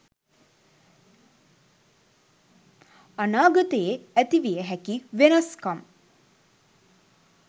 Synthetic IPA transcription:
anaːɡət̪əeæt̪iʋijəɦækiʋenaskam

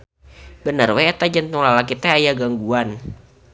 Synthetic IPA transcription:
bənərweat̪ad͡ʒant̪uŋlalakit̪ɛajaɡaŋɡuan

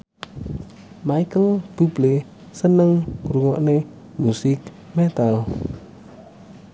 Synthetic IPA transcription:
maikəlb̥ṳb̥le | sənəŋkɾuŋɔʔne | musɪk̚ | mɛt̪al

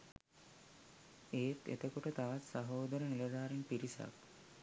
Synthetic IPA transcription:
eːt̪ḛt̪əkuʈət̪aʋat̪saɦoːd̪əɾəniləd̪aːɾenpiɾisa̰k̚

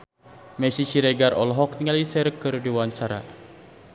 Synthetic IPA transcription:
mɛsit͡ʃiɾeɡarʔɔlɦɔk̚niŋalisɛɾkɨrdiwant͡ʃaɾa̰

